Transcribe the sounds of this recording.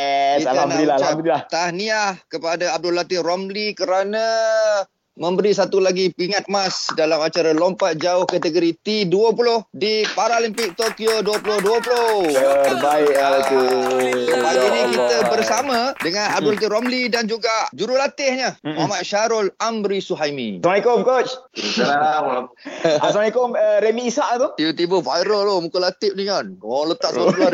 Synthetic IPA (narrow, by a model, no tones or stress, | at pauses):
ianbnaɾilaalat̪ahniahkəpadaːb̚dʊlat̪ɪhromlikəɾanã | mə̃mbəɾisat̪ulaɡipiŋat̪̚masdalamat͡ʃaɾalompat̪̚d͡ʒaʊhkat̪əɡoɾit̪iduəpulʊhdipaɾalimpɪk̚t̪okioduəpulʊhduəpulʊ | baɪ | səbaɡinikit̪əbərsamə̃dəŋãnab̚dʊlat̪̬ɪɦɾomlidand͡ʒuɡad͡ʒuɾulat̪ɪhɲəmuamat̪̚ʃaɾɔlambɾisuɦajmḭsnikofkot͡ʃsəaa | asnikoməɾemiːsaʔt̪ut̪ibət̪ibəvajɾəlomukəlat̪ɪp̚niɲənlət̪aʔspulo